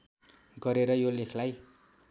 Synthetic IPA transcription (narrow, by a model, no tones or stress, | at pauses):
ɡʌɾeɾʌjolekʰlaj